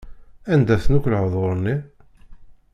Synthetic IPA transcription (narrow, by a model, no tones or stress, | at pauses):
ænd̪æθnukʷlʕðˤoɾˤni